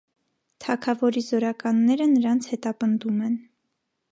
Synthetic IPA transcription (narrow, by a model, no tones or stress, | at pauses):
t̪ʰɑkʰɑvɔɾizɔɾɑkɑnːɛɾənəɾɑnt͡sʰhɛt̪ɑpənd̪umɛn